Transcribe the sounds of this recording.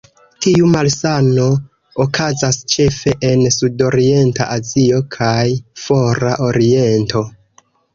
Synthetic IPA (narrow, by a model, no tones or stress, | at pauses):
tiumalsano̞ː | kʰazast͡ʃe̞fe̞ʔensudo̞ɾie̞nta̰ʔazio̞kʰajfo̞ɾaʔo̞ɾie̞nto̞